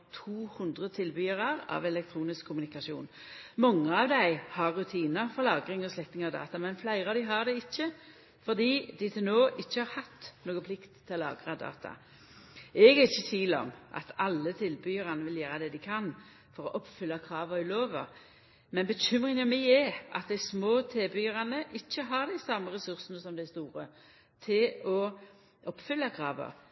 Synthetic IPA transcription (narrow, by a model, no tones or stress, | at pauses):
t̪ʰuːhʉnd̪ʁət̪ʰɪlbyːəʁɑʁɑ̰ʋɛlɛk̚t̪ʰʁuːnɪskʰːʊmʉnɪkɑʂṵːn | mɑŋːəɑʋd̪æɪhɑʁːʉt̪ʰiːnəɾfɔʁlɑːɡʁɪŋɔslɛk̚t̪ɪŋɑʋd̪ɑ̰ːt̪ɑmɛnflæɪʁɑːʋd̪ɪɦɑʁd̪ɛɪçːə | fɔʁd̪iːd̪ɪt̪ʰɪlnoːʔɪçːəhɑʁhɑt̪ːnoːɡəpʰlɪkt̪ʰːɪlɔlɑ̰ːɡʁɑd̪ɑ̰ːt̪ʰɑ̰ | ɛɡɛʁɪçːət̪ʰʋiːlɔ̰mʔɑ̰t̪ʰɑlːət̪ʰɪlbʏːəʁɑnəʋɪljæːɾəd̪ɛd̪ɪkʰɑn | fɔʁɔʔɔpfʏlːɑkʰɾɑːʋəɪloːʋə̰ | mɛnbəɕʏmʁɪŋɑmæɪɛʔɑ̰t̪̚d̪æɪsmoːt̪ʰeːbʏəʁɑnəʔɪçːəɦɑʁd̪æɪsɑmːəʁɛsʉʁsənəsɔmd̪æɪst̪uːʁə | t̪ʰɪlɔ | ɔpfʏlːɑkʰɾɑːʋə̰